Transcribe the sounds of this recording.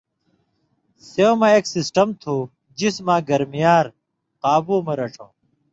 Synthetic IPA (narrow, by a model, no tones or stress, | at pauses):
seomɐeːksisʈɐmt̪ʰuː | d͡ʑismãːɡɐɾmijaːɾ | qaːbuːmɐɾɐʈ͡ʂõː